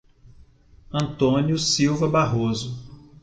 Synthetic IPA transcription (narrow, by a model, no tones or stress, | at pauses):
ɐ̃nt̪õnjʊsiwvɐbaɦozʊ